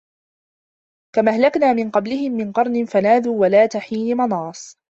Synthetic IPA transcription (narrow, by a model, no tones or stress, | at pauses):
kamahlaknaːmɪnqɑblɪhɪmːɪnqɑɾˤnɪnfanaːðuːwalaːt̪aħiːnɪmɑnɑːsˤ